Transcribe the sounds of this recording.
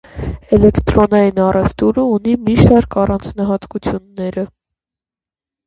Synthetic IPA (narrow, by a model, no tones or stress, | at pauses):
ɛlɛkt̪ɾɔnɑjinɑrɛvt̪uɾəunimiʃɑɾkʰɑrʔɑnt͡snɑɦɑt̪kut͡sʰjunːɛɾə